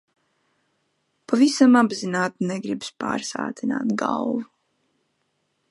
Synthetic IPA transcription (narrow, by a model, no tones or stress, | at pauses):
pavisamabzinaːt̪nɛɡɾibspa̰ːɾsa̰ːt̪ina̰ːt̪ɡa̰lˠvu